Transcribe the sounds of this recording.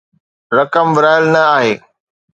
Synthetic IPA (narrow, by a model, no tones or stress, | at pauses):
ɾɐkəmbɪɾaːɪlnɐaːɦeː